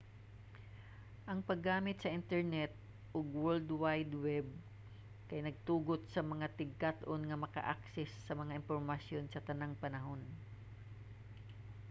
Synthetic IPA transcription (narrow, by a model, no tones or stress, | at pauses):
ʔɐŋpɐɡːaːmɪt̪̚sɐʔɪnt̪ɛɹnɛt̪̚ | ʔoɡwɛld̪wajd̪wɛb̚ | kɐjnɐɡ̚t̪uːɡot̪̚sɐmɐŋat̪ɪɡ̚kat̪ʔonŋɐmɐkɐ̰ʔaksɛsːɐmɐŋaʔɪnfoɹmɐsjo̞nsɐt̪ɐnaŋpɐnɐɦo̞n